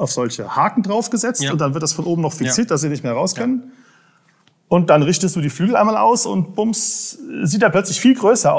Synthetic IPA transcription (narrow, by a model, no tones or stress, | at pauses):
ʔaʊfz̥ɔlçəhaːkŋ̩dʁaʊfɡ̥əzɛt͡stʊntd̥anvɪɐtd̥asfɔnʔoːbm̩nɔχfiksiːɐt̚d̥asz̥iːnɪçtmeːɐʁaʊskʰɛnən | ʔʊnt̚d̥anʁɪçtəstd̥uːdiːflyːɡl̩ʔaɪnmaːlʔa̰ʊsʊ̰ntb̥ʊmsziːt̚d̥aːpʰlœt͡slɪçfiːlɡʁøːsɐʔ